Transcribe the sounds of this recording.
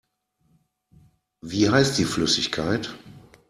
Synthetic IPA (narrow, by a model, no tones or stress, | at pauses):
viːɦaɪst̚d̥iːflʏsɪçkʰaɪt